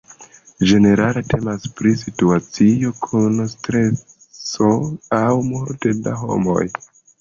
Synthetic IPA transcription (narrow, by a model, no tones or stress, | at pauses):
d͡ʒe̞ne̞ɾale̞te̞maspɾis̬ituat͡sijo̞kʰunstɾe̞ | so̞awmoɾteda̰ɦo̞̰mo̞̰j